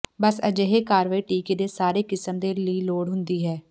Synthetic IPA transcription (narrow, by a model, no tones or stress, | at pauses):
bəsə̰d͡ʒeɦeːkaːɾʋaːiːʈiːkeːd̪eːsaːɾeːkɪsəmd̪eːləiːloːɽɦʊ̃nd̪iːɦɛː